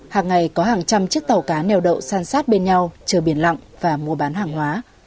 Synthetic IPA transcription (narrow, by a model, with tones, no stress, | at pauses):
haː˨˩ŋːa˨˩jkɔ˨˦ɦaː˨˩ŋt͡ɕa˧mt͡ɕɨ˦˥ək̚t̪a˨˩wkaː˨˦nɛ˧˩wɗə̰˧˨wsaː˧nsaː˦˥t̚ɓe˧nɲa˧wt͡ɕəː˨˩ɓi˧˩ənla̰˧˨ŋvaː˨˩mu˧əɓaː˨˦nɦaː˨˩ŋɦwaː˨˦